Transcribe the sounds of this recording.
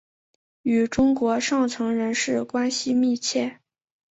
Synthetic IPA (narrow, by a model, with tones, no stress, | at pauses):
y˨˩ʈ͡ʂʊ˥ŋkwɔ˧˥ʂɑ˥˩ŋt͡sʰɤ˧˥ŋɻə˧˥nʂɻ̩˥˩kwa˥nɕi˧mi˥˧t͡ɕʰjɛ˥˩